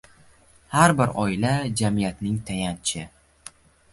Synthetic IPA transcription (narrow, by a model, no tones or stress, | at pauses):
haɾbɪɾɒɪlad͡ʒamijat̪nɪŋt̪ʰajant͡ʃʰɪ